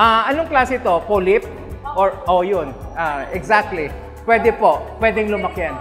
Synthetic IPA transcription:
ʔaʔɐnoŋklaːsɛt̪o̞polɪp̚ | ʔoɹʔojonʔaʔɛɡsak̚t̪li | pwɛːd̪ɛpo̞pːwɛd̪ɛŋlʊmɐkɪjan

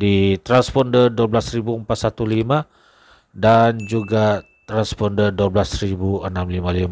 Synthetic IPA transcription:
dit̪ɾanspɔndərduəblasɾibuəmpat̪̚sat̪ulimã | dand͡ʒuɡa | t̪ɾanspɔndərduəblasɾibuənamlimãlima

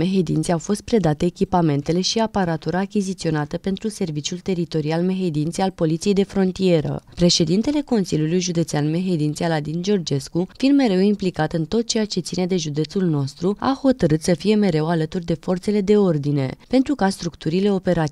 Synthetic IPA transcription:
me̞ɦe̞d̪ḭnt̪seawfo̞st̪̚pɾe̞d̪at̪eːkʲipame̞nt̪e̞le̞ʃiapaɾat̪uɾaːkʲizit̪sio̞nat̪əpe̞nt̪ɾuse̞rvit͡ʃjult̪e̞ɾit̪o̞ɾialme̞ɦe̞d̪int̪sealpo̞lit̪sije̞jd̪e̞fɾo̞nt̪ie̞ɾə̰pɾe̞ʃe̞d̪int̪e̞le̞ko̞nsilʲjulujʒud̪e̞t̪seanme̞ɦe̞d̪int̪sealad̪ind͡ʒo̞rd͡ʒe̞skufind̪me̞ɾe̞wimplikat̪ɨnt̪o̞t̪̚t͡ʃe̞jat͡ʃe̞t̪sine̞d̪e̞ʒud̪e̞t̪sulno̞st̪ɾua̰ho̞t̪əɾɨt̪səfije̞me̞ɾe̞walət̪urd̪e̞fo̞rt̪se̞le̞d̪e̞o̞rd̪ine̞̰pe̞nt̪ɾukast̪ɾukt̪uɾile̞o̞pe̞ɾat̪

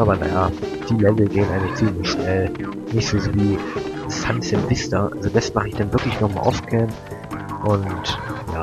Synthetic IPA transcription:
ʔaːbɐna̰jaːd̥iːlɛvl̩ɡeːənʔaɪŋlɪçt͡siːmlɪçʃnɛlnɪçtz̥oːzoːviːfansɛvɪstɐʔalzodasmaχəɪçd̥anvɪɐklɪçnɔχma̰ʔa̰ʊfkʰɛn | ʔʊntjaː

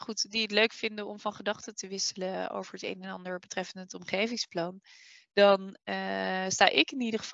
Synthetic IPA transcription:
χutdiətløɥkfɪndəɔmvɑnχədɑχtətəʋɪsələo̰wvəɹɦətḛjnɛnɑ̰ndəɹbətrɛfəndətɔmχejvɪŋsplɑn | d̥ɑnəsta̰ːʔɪkɪnidəχəv

